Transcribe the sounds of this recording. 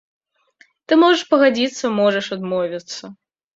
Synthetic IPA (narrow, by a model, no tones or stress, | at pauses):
t̪ɨmɔʐɐʂpɐɣad͡zʲit̪sːɐmɔʐɐʂad̪mɔvʲit̪sːɐ